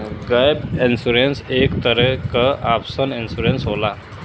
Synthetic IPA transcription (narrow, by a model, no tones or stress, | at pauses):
ɡəjbinsuɾensekt̪əɾekəʔapsəninsuɾensɦola